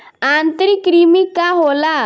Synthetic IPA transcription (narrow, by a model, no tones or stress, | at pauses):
ãnt̪ɾikɾimikaɦola